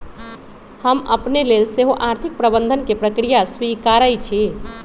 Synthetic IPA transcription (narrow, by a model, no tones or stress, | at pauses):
həmə̰pnelelseɦoʔaɾt̪ʰik̚pɾəbənd̪ʱənkepɾəkɾijaswikaɾəjt͡ʃʰi